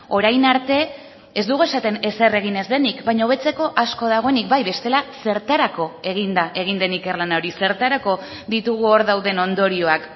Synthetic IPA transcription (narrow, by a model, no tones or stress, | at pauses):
o̞ɾajnaɾt̪e̞ | ezd̪uɣue̞sat̪e̞ne̞se̞re̞ɣ̞ine̞zðe̞nikbajɲaoβ̞e̞t͡se̞ko̞ʔasko̞ð̞aɣ̞o̞enikbajβe̞st̪e̞lase̞ɾt̪aɾako̞e̞ɣ̞ind̪aʔe̞ɣ̞ind̪e̞nike̞rlanaoɾise̞ɾt̪aɾako̞ | ðit̪uɣ̞uoɾðawðe̞no̞nd̪o̞ɾio̞ak